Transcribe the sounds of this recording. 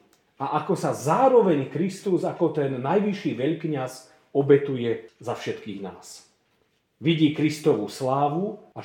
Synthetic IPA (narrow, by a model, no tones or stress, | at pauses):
aʔakɔsazaːɾɔʋɛɲkɾist̪uzakɔt̪ɛnːajʋiʃiːʋɛʎkɲaz | ɔbɛt̪ujɛzafʃɛt̪kiːɣna̰ːs | ʋiɟiːkɾist̪ɔʋuslaːʋua